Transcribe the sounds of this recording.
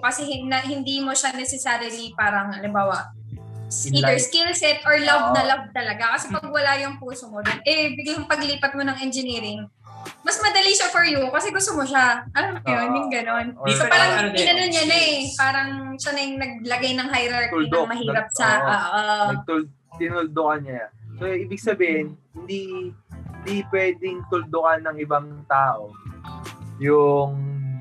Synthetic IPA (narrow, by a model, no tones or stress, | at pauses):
kɐsɛɦɪnɐhɪnd̪imoʃanɛsɛsaːɾilipaːɾɐŋɐlɪmbaːwɐ | siɛɹskɪlsɛt̪ʔoɹlɐvnɐlɐv̚t̪ɐlɐɡakɐsɛpɐɡ̚wɐlajʊŋpuːsomod̪onʔɛbɪɡjʊŋpɐɡliːpɐt̪̚monɐŋʔɛnd͡ʒɪniːɾɪŋ | mɐsmɐd̪ɐliʃafoɹjʊkɐsɛɡʊst̪omoʃaʔɐjonjʊŋɡɐno̞nsopaːɾɐŋɪnɐnonɲanɐʔɛpaːɾɐŋʃɐnɐjŋnɐɡ̚lɐɡajnɐŋɦajɾɐɹk̪ld̪ɐoŋmɐɦiːɾɐp̚sɐaʔonɐɡ̚t̪ʊl | t̪ɪnʊld̪okɐnɲɐɐsoʔiːbɪɡ̚sɐbiːhɪnhɪnd̪ihɪnd̪ipwɛːd̪ɪŋt̪ʊld̪okanːɐŋʔɪbaŋt̪aːʔo | jʊŋ